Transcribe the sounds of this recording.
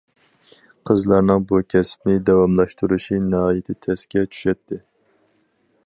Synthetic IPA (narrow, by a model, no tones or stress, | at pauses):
qʰəzlˠɑɾnɨŋbukʲʰɛsp̚nɪd̪ɛwɑmlˠɑʃt̪uɾuʃinɨɦɑːjɪt̪ʰɪt̪ʰɛskʲɛt͡ʃʰy̥ʃɛt̪ʰːɪ